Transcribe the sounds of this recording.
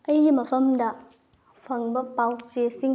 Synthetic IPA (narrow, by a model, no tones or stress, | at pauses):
ɐjɡimɐpʰɐmdɐ | pʰɐŋbɐpawt͡ʃesiŋ